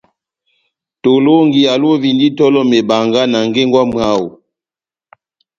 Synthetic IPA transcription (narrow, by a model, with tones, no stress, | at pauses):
to˨lo˦ŋɡi˨ja˨lo˦vi˨ndi˦tɔ˦lɔ˦me˨ba˨ŋɡa˦na˨ŋɡe˦ŋɡwa˦m˦a˦wu˨